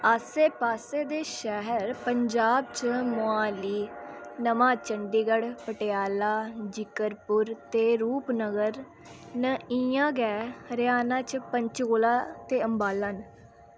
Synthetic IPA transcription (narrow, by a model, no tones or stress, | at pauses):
aːseːpaːseːd̪eːʃɛɦəɾpəɲd͡ʒaːb̚t͡ʃmoaːliːnəmãːt͡ʃəɳɖiɡəɽpəʈeaːlaːd͡ʒɪkəɾpʊɾt̪eːɾuːpnəɡəɾ | nəiãːɡɛːɾɪaːnãːt͡ʃpəɲt͡ʃɡoːlaːt̪eːəmbaːlən